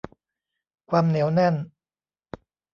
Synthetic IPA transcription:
kʰwaː˧mni˩˦wnɛ˥˩n

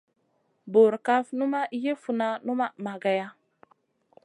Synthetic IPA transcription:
bo˨ɾka˦fnu˦ma˦ʔi˦je˦fu˨na˦nu˦ma˦ma˨ɡa˨ja˦

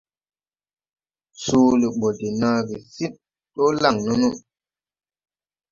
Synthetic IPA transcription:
suː˦li˨ɓɔ˨de˨na˦ɡi˨si˦t̚ː | o˦la˦˨ŋno˦nu˦

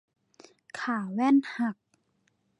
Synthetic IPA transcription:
kʰaː˨˩wɛː˥˨nha˧˩k̚

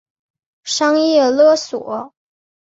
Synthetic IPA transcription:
ʂɑ˥ŋjɛ˥˩lɤ˥˩swɔ˨˩˦

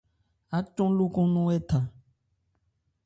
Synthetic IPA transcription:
a˨˦t͡ʃɔ̃˦lo˦kɔ̃˦nɔ̃˦ɛ˦t̪ã˨

